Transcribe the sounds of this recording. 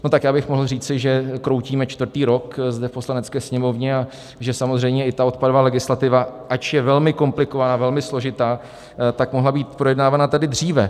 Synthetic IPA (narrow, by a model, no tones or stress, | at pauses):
no̞t̪akjaːbɪxmoɦl̩riːt͡sɪʒɛkɾo̞wciːmɛt͡ʃt̪vr̩t̪iːɾo̞kzdɛfpo̞slanɛt͡skɛːsɲɛmo̞vɲɛa | ʒɛsamo̞zrɛjmɲɛɪt̪ao̞t̪padovaːlɛɡɪslat̪ɪvaʔat͡ʃjɛvɛlmɪko̞mplɪkovanaːvɛlmɪslo̞ʒɪt̪aː | t̪akmoɦlabiːt̪pɾo̞jɛdnaːvanat̪adɪd̪r̝iːvɛ